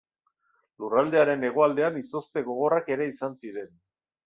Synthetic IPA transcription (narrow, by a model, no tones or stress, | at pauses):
lurald̪e̞aɾe̞ne̞ɣ̞o̞ald̪eaniso̞st̪e̞ɣo̞ɣ̞o̞rake̞ɾe̞isansiɾe̞n